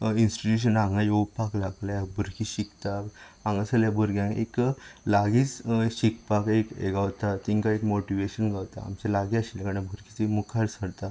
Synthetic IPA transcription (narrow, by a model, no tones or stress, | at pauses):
insʈiʈ̪uɕ̬ənãŋɡajopaklaɡljabʱuɾkiɕikt̪a | ãŋɡasəljabʱəɾɡjãŋkḛklaɡiːt͡sɕikpakekḛɡawt̪at̪iŋkaekmoʈiʋeɕənɡawt̪a̰a̰mt͡selaɡiaɕilkaɽãbʱuɾkit͡semukʰaɽsəɽt̪a